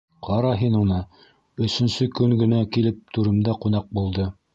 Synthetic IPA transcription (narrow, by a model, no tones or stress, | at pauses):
qɑɾɑɦinunɤ | ɵ̆sɵ̆nsɵkɵŋɡɘ̆nækilɘp̚t̪uɾɘ̆md̪ɑqunɑq̚bulˠd̪ɤ